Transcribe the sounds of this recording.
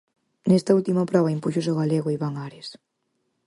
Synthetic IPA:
nest̪ɐult̪imɐpɾɔβ̞ɐimpuʃos̬oɣaleɣoiβaŋaɾes

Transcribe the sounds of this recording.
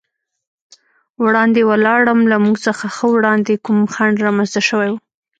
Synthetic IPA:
wɽɑnd̪ewəlɑɽəmlamuɡsəxaxəwɽɑnd̪ekumxaɳɖɾɑmanzt̪aʃəwajwu

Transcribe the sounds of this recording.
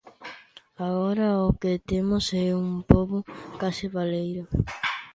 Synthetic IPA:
aɣoɾaoket̪emosɛumpoβʊkasɪβalejɾo

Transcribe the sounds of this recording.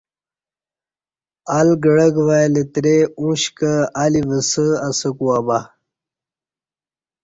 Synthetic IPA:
alɡəɽəɡʋalet̪ɾeũɕkəalivəsəasəkuaba

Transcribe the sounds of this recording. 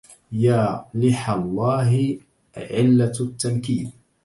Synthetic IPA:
jaːlɪħalˤːɑːɦɪ | ʕɪlːat̪ːamkiːl

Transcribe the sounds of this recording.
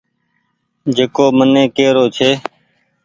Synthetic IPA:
d͡ʒeːkoːmənẽːkeːɾoːt͡ʃʰeː

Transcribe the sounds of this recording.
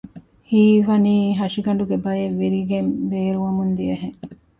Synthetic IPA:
hiːʋɐniːɦɐʃiɡɐɳ̆ɖuɡebɐjeʋːiɾiɡembeːɾuʋɐmund̪iɐɦeŋ

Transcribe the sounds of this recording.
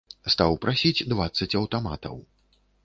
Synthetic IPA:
st̪awpɾasʲid͡zʲd̪vat̪sːɐt͡sʲɐwt̪ama̰t̪ɐ̰w

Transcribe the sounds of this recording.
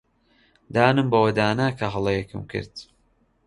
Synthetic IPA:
d̪aːnɨmbɐwɐd̪aːnaːkʰɐɦɨlˠɐjekʰɨ̰mkʰɨ̰ɾd̪

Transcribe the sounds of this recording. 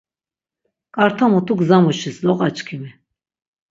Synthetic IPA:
kʼaɾt̪ʰamɔt̪ʰʼukzamuʃislɔqʼat͡ʃʼkʰimi

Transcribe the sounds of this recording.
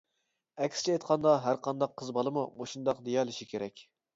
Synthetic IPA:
ɛkʲst͡ʃʰɛejt̪qʰɑnd̪ɑɦæɾqʰɑnd̪ɑqʰːəzbɑlˠɨmumoʃund̪ɑqd̪ejɑlˠɨʃikʲʰeɾɛkʲ

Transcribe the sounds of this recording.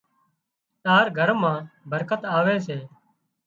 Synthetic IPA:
t̪aːɾɡʱəɾmãːbəɾkət̪aːʋeːseː

